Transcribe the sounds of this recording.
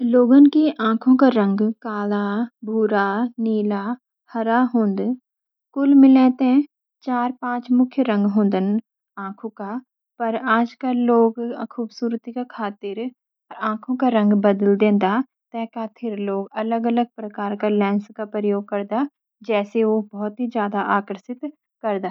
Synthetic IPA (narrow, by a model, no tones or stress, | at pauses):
loːɡənkeʔãːkʰõkaɾə̃ŋɡkaːlabʱuːɾaniːla | hɐɾaɦõːnd̪ | kʊlmɪlɛ̃ːt̪ | t͡ʃaːɾpãːt͡ʃmʊkʰjəɾə̃ŋɡɦõːnd̪ən | ãːkʰõka | pɐɾaːd͡ʒkəlːoːɡkʰuːbsuːɾt̪ikakʰaːt̪ɪɾ | ɔɾãːkʰõkaɾə̃ŋɡbɐd̪əld̪ẽːnd̪a | t̪ɛːkat̪ʰɪɾloːɡɐləɡələɡ̚pɾɐkaːɾkalɛ̃ːnskapɾɾəjoːɡ̚kɐɾd̪a | d͡ʒɛːseʋoːbɔːt̪ɦid͡ʒjaːd̪aʔaːkɾəsɪt̪ | kɐɾd̪aː